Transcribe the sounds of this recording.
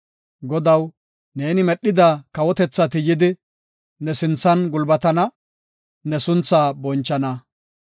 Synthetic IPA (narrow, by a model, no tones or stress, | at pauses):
ɡɔd̪ɐw | ne̞ːnɪmɛɗːɪd̪akɐwɔt̪ɛt͡sːɐt̪ɪjɪd̪ɪ | nɛsɪnt͡sːɐnɡʊlbɐt̪ɐnɐ | nɛsʊnt͡sːaːbɔnt͡ʃːɐnɐ